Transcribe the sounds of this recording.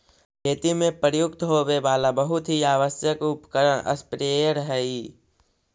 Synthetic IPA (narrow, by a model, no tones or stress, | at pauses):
kʰeːt̪imẽpəɾjʊk̚t̪ɦoːwebaːlabəɦʊt̪ɦiaːʋəsjəkʊpkəɾənʔə̰spɾeəɾɦɛi